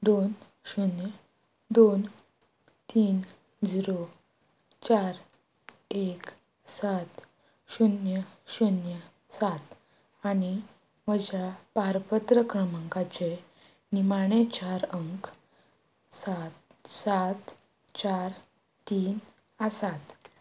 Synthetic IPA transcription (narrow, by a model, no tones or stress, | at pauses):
d̪on | ɕunjə | d̪on | t̪iːn | d͡ʑiɾo | t͡ɕaɾ | ek | sat̪ | ɕunjəɕunjə | sat̪ | añi | məd͡ʑapaɾpət̪ɾəkɾəməŋkat͡ɕe | nimaɽ̃et͡ɕaɾəŋk | sat̪sat̪ | t͡ɕaɾ | t̪iːn | əsat̪